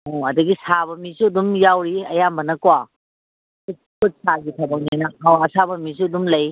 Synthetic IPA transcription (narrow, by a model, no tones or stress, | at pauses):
oɐdɐɡisaβɐmisuɐdumjawɾiɐjambɐnɐkwa | ku | kʰut̚saɡitʰɐbɐŋ̚ninɐɦawɐsabɐmisuɐdumlɐj